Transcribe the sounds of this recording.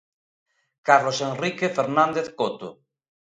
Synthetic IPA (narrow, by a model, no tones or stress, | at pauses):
kaɾlosenrikefeɾnãnd̪eθkot̪o̰